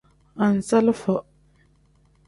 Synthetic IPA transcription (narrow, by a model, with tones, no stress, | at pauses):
a˨n̩˨sa˦lfə˨